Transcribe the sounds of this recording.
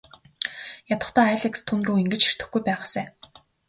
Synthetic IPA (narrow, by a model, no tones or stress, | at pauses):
jat̪ə̆χt̪aːaɮekst̪ʰːunruːiŋɡɘ̆t͡ɕir̥t̪ɘ̆xɡujpæːʁaːseː